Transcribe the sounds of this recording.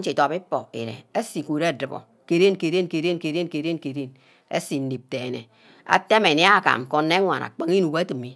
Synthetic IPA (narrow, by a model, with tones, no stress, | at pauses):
t͡ʃi˨to˨pi˦po̰˨ḭ˨ɾḛ˨e˦si˨ku˨ɾe˦˨dɨ˨bo̰˨ | ke˨ɾe˦nke˨ɾe˦nke˨ɾe˦nke˨˦ɾe˦nke˨ɾe˦nke˨ɾe˦n | ḛ˦si˨n̩˦di˨p̚te˨nḛ˨ | a̰˨te˦me˨ni˦a˦˨ka̰˨m˨ko˨nːe˦ŋʷa̰˨na̰˨k͡pa˦ŋi˦nu˨ba˦ti˨mi˦